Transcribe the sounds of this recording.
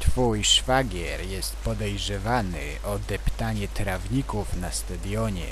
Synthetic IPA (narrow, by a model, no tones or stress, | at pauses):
t̪fujʂfaɡʲjɛɾjɛst̪̚pɔd̪ɛjʐɛvanɘ̰ʔɔd̪ɛpt̪aɲɛt̪ɾavɲikufnast̪ad̪jɔɲɛ̰